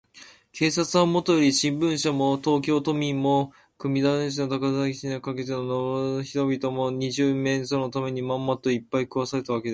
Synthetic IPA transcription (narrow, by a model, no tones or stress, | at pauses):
kʰe̞ːsat͡sɨamo̞t̪ojoɾʲiɕĩmbɯ̟̃ɰ̃ɕamo̞t̪o̞ːk̬ʲo̞ːt̪o̞mʲĩmːo̞ | kɯ̟mʲid̪ãɕ̬inot̪akazaɡʲisinakake̞t̪enonooçi̥t̪o̞bʲit̪o̞mo̞ɲ̟iʑɨːmẽ̞ɰsono̞t̪ame̞ɲ̟imãmːat̪ːo̞ipːaikɯβasaɾe̞t̪aβake̞d̪e